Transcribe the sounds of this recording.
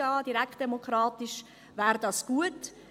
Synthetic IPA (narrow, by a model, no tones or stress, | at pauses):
ɑːdiɾækχt̚d̥emokχɾɑːtiʃ | væːɾdɑːsɡ̥uət